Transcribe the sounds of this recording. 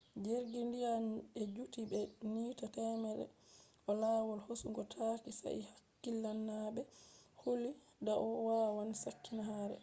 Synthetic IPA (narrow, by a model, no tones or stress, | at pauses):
d͡ʒeɾɡindijanɛd͡ʒutibɛniːtatɛmɛɗɛ̰ | ɔlaːwɔlhosuŋɡɔtʰakisa̰ʔḭhakːilːanːabɛholi | daʔɔwawanisakːinaɦaːɾɛ̰